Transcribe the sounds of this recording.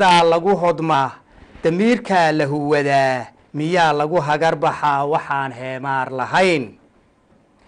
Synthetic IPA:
ðaːlɐɣʊɦɔd̪ma | d̪̥ɐmiːrkʰɐlɐɦʊwɐðaː | mɪjaːlɐɣʊɦɐɣɐrbɑħɑːwɑħɑːnɦɛːmaːrlɐɦɐjn

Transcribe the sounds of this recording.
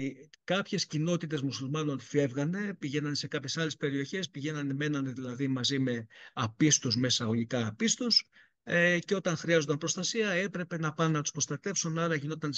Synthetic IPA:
kɐpçe̞scino̞t̪it̪e̞zmusulmɐno̞nfe̞vɣɐne̞piʝe̞nɐnese̞kɐpçe̞sɐle̞spe̞ɾio̞çe̞spiʝe̞nɐneme̞nɐneðilɐðimɐzime̞ɐpist̪uzme̞sɐoʝikɐːpist̪us | eceo̞t̪ɐŋxɾiɐzod̪ɐmpɾo̞st̪ɐsiɐe̞pɾe̞pe̞nɐpɐnnɐt̪u̥spɾost̪ɐt̪e̞fsunɐlɐcinot̪it̪ɐn

